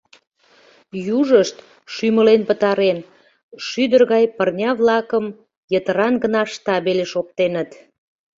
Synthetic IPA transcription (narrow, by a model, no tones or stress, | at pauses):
juʒəʃt̪ | ʃyməlenpət̪ɑɾen | ʃyd̪ərɣɑjpərnʲɑβlɑkəm | jət̪əɾɑnɡənɑʃt̪ɑβeleʃop̚t̪enət̪